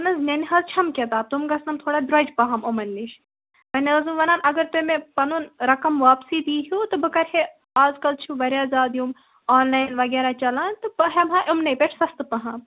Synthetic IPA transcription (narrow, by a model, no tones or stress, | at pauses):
ɐnɐznenʲɦɐzt͡ʃʰɐmkʲɐt̪aːb̚t̪umɡɐsnɐmt̪ʰoːɽaːd̪ɾɐd͡ʒpɐɦɐmomɐnːiʃ | mɐnʲeɐzũʋɐnaːnʔɐɡɐɾt̪omẽpɐnunɾɐkɐmʋaːpsiːd̪iːɦuːt̪ɨbɨkɐɾɦe | aːzkɐlt͡ʃʰuʋɐɾjaːzaːd̪jum | aːnlaːjnʋɐɡeːɾaːt͡ʃɐlaːnt̪ɨbɨɦɐmɦãːʔʊmnɐjpʲeʈʰsɐst̪ɨpɐɦaːm